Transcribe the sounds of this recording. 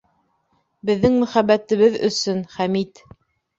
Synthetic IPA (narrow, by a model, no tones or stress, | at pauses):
bɘ̆ðːɘŋmɵ̆χæbːæt̪ɘ̆βɘðɵ̰̆sɵnχæmit̪